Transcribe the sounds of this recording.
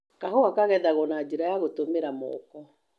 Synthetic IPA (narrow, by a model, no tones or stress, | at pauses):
kahoakaɣɛðaɣɔnad͡ʒeɾajaɣotomeɾamɔ̰kɔ